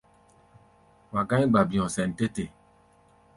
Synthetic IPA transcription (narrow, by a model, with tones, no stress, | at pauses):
wa˨ɡã˦ɡ͡ba˨bi˨ɔ̃˨sɛ˨n˨te˦te˨